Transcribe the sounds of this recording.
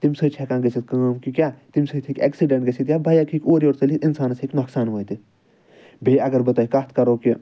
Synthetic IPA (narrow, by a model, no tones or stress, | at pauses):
t̪imsət͡ʃʰɛkãːɡɐsʰit̪̚kəːmkikʲjaːt̪imʲsəːt̪ʰikʲɛ̰ːksiɖẽɳʈɡɐsʰit̪jaːbʱɐjaːkʰikʲoːɾioːɾsɐlit̪insaːnsikʲnɐksaːnʋəːjt̪i | bʱeːɐɡɐɾbɐt̪aːikɐt̪ʰkɐɾoːki